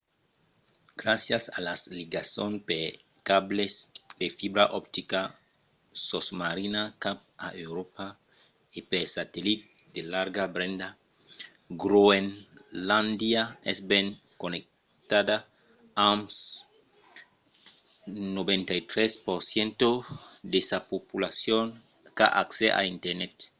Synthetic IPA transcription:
ɡ̥ɾasjasalasliɡasõnpe | kablesd̪efibɾaʔɔpt̪ika | sosmaɾinakap̚a̰ʔewɾopa | epesat̪elit̪̚d̪elaɾɡabɾẽnd̪a | ɡɾoenlãnd̪jaɛsbɛŋ | konek̚ | t̪ad̪a | ams | nobẽnt̪ajt̪ɾɛspoɾsjẽnt̪od̪esapopulasjon | ka̰ʔa̰ksɛʔa̰int̪ɛɾnɛt̪

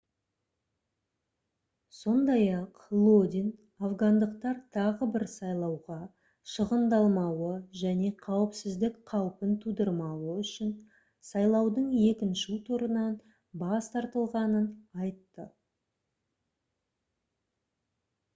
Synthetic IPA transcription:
so̞nd̪ɑjɑqlˠod̪ʲin | avɡɑnd̪əqt̪ɑɾt̪ʰɑʁəbɪɾsɑjlˠɑwʁɑ | ʃəʁənd̪ɑlˠmɑwəʒæne̞qʰɑwəpsɪzd̪ɪkqʰɑwəpənt̪ʰud̪əɾmɑwəʏʃɪn | sɑjlˠɑwd̪əɴe̞kʲɪnʃut̪ʰuɾənɑn | bɑst̪ʰɑɾt̪əlˠʁɑnənɑjt̪ːə

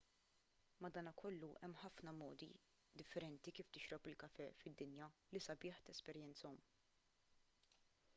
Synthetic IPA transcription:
mɐd̪ɐːnɐkʰɔlːuʔɛmːħɐfnɐmɔːd̪ḭ | d̪ɪfːɛɾɛnt̪ikiːft̪ɪʃɾɔpɪlkɐfɛːfɪd̪ːɪnjɐlisɐbɪːħt̪ɛspɛɾjɛnt͡sɔm

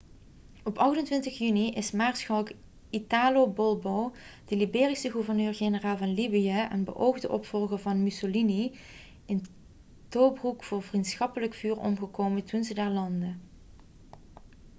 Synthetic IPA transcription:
ɔpɑxtəntʋɪntəxjyniʔɪsmaːɹsxɑlk | itaːlobɔlˠbod̥əlibeːrisəχuvəɹnøːɹɣenəraːlˠvɑnlibijəʔɛ̰nbə̰ʔowɣdəʔɔpfɔlˠɣəvɑnmysolini | ɪn | toːbrukfʊːɹvrintsxɑpələkfyːrɔ̰mɣəkoːwmətunzədaːɹlɑndə

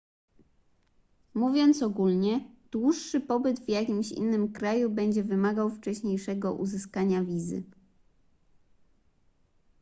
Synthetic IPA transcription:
muvʲjɔnt̪sɔɡulɲɛd̪̥wuʂːɘpɔbɘd̪vjakʲimɕḭnːɘmkɾajubɛɲd͡ʑɛvɘmaɡawft͡ʂɛɕɲejʂɛɡɔʔṵzɘskaɲavʲizɘ̰

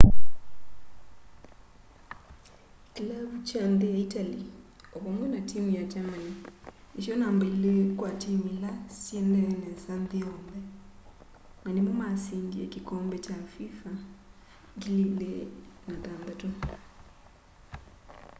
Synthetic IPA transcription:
kilaβut͡ʃandeaitali | ɔβɔmwɛnatimijat͡ʃamai | isjɔnaːmbailekwatimilasjɛndɛɾɛnɛnsanðiɔmbɛ | nanemɔmasindiɛkikɔmbɛt͡ʃafifa | ɡililenataːndato

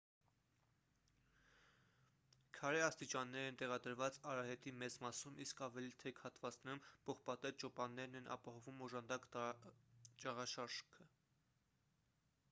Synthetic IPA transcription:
kʰɑɾɛɑst̪it͡ʃɑnːɛɾɛnt̪ɛʁɑd̪əɾvɑt͡sɑɾɑɦɛt̪imɛt͡smɑsumʔiskɑvɛlit̪ʰɛkʰhɑt̪vɑt͡snɛɾumpʰɔχpɑt̪ɛt̪̚t͡ʃɔpɑnːɛɾnɛnʔɑ̰pɑhɔvumɔʒɑnd̪ɑk | t͡ʃɑʁɑʃɑɾʒkʰə

